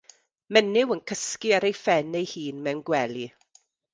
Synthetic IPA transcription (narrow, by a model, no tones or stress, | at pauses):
mɛnɪwənkʰəskiaɾejfɛnejhiːnmɛwnɡwɛli